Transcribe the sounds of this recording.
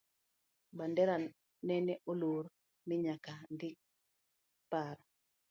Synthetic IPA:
bandɛɾa | nɛnɛʔoloɾ | miɲakandɪk̚ | paɾ

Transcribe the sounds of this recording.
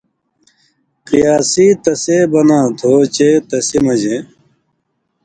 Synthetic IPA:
kijaːsiːt̪ɐseːbɐnãːt̪ʰoːt͡ɕeːt̪ɐsimɐd͡ʑẽ

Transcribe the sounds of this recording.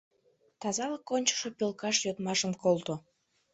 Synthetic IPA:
t̪ɑzɑləkːonʲt͡ɕə̥ʃopølkɑʃjot̪mɑʃəmkolt̪o

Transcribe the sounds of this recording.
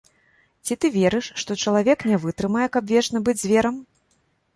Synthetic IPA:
t͡sʲit̪ɨvʲɛɾɨʂːt̪ɔt͡ʂɐlˠavʲɛknʲɛvɨt̪ɾɨmɐjɛkɐbvʲɛt͡ʂnɐbɨd͡zʲzʲvʲɛɾɐm

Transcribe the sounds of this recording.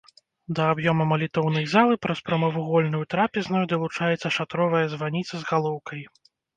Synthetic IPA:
d̪ɐːbjɔmɐmɐlʲit̪ɔwnɐjzalˠɨpɾɐspɾɐmɐvuɣɔlʲnujut̪ɾapʲɛznujd̪ɐlˠut͡ʂajɛt̪sːɐʂat̪ɾɔvɐjɐzvanʲit̪sɐzɣalˠɔwkɐj

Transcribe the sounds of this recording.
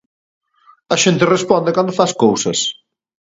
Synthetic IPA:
ɐʃent̪ɪrespɔnd̪ɪkand̪ofaskowsɐs

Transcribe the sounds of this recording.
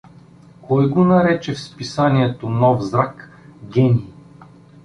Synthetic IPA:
kɔjɡonɐɾɛt͡ʃɛfspisaniɛt̪onɔvzɾak | ɡʲɛnʲiː

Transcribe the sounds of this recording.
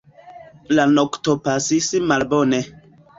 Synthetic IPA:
lanoktopasisimalbone

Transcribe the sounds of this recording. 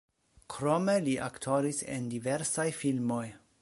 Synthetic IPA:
kʰɾo̞me̞liʔa̰ktʰo̞ɾisḛndiveɾsajfilmo̞j

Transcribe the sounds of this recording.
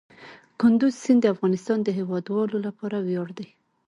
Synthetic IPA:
kʊnd̪ʊzsɪnd̪əafɣɑnɪst̪ɑnd̪əɦewɑd̪wɑlolapɑɾawjɑɽd̪aj

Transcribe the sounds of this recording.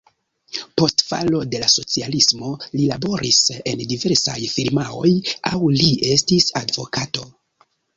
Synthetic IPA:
po̞stfa̰lo̞de̞laso̞t͡sialismo̞lilabo̞ɾʔise̞ndive̞ɾsajfiɾmao̞̰jawlie̞stisadvo̞̰kato̞

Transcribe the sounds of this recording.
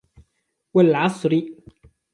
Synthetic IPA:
walʕɑsˤɾɪ

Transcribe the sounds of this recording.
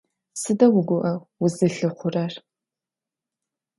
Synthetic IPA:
sɨdɐwʊɡʷʊʔɐwʊzɨɬɨχʷʊrar

